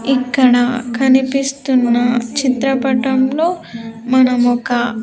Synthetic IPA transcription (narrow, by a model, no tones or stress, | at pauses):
ikːɐɽɐkʰɐnipist̪unːɐt͡ʃit̪ɾɐpɐʈɐmlo̞ːmɐnɐmɔkɐ